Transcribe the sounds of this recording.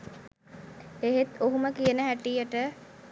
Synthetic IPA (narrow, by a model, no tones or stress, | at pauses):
eɦet̪oɦuməkijənəɦæʈijəʈə